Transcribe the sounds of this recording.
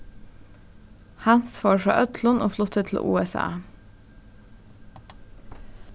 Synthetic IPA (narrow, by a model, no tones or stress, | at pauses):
hænsfoːɹfɹɑ̰ːʔœt̪ʰlʊnʔo̰ːflʊt̪ət̪ʰl̩ʔṵːɛsɑ̰ː